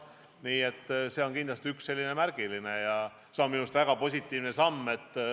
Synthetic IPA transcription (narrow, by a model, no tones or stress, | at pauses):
niːe̞t̪ːse̞o̞nkind̪lɑst̪iyksːe̞lːine̞mærɡ̥ilinejɑ | seonminust̪væɡ̥ɑpo̞sʲit̪ːˑiːvne̞sɑmːe̞t̪ːˑ